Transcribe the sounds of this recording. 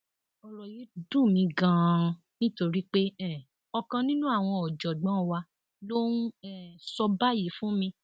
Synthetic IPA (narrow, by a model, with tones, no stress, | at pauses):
ɔ˧lɔ˨ji˨˦dũ˦˨mĩ˧ɡã˧˦ | nĩ˦to˧ɾi˦k͡pe˦ɛ̃˦˨ | ɔ˧kã˧nĩ˦nũ˦a˦˨w̃ɔ̃˧ɔ˨d͡ʒɔ˨ɡ͡bɔ̃˨˦wa˧ | lo˦n˦ɛ̃˦˨sɔ˧ba˦˨ji˨˦fũ˦mĩ˧